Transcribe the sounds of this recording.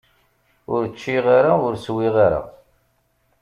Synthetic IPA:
ʊɾt͡ʃːiʁaɾaʊɾswiʁaɾa̰

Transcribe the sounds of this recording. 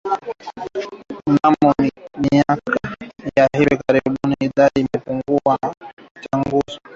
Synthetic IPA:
namɔmiakajaɦiwikaɾiɓuniiɗaɗiːmɛpuŋɡua | t͡ʃaŋɡuzɔ

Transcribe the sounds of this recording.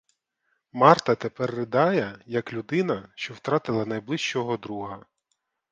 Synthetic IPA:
mɑrt̪ɐt̪epɛrːɪd̪ɑjɛjɐklʲud̪ɪnɐʃt͡ʃɔwt̪ɾɑt̪ɪlˠɐnɐjblˠɪʃt͡ʃɔɦɔd̪ɾuɦɐ

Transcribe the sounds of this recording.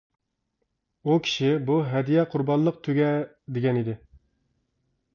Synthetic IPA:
ukʲʰi̥ʃɪbuɦɛd̪ijɛqʰʊɾbɑnlˠəq̚t̪ʰøɡʲɛ | d̪eɡʲɛnid̪ɪ

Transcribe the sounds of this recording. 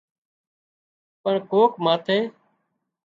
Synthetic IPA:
pəɳkoːkmaːt̪ʰeː

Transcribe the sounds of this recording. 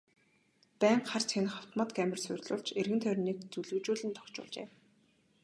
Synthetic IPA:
pæːɴχart͡sʰenχaw̥t̪mɔ̆t̪ɡæmʲɪ̆rsʊrʲɮʊ̰ːɮt͡ɕerɣɘ̆nt̪ʰœɾʲniːkt͡suɮɵ̆kt͡ɕuːɮɘ̆nt̪ʰɔ̥kt͡ɕʊ̰ːɮt͡ɕḛː

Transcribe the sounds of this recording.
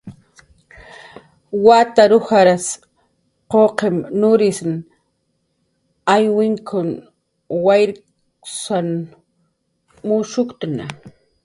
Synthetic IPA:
wat̪aɾʊhaɾas | qoqemnʊɾɪsn | ajwɪŋkʰʊn | wajɾ | san | mʊʃʊkt̪ʊna̰

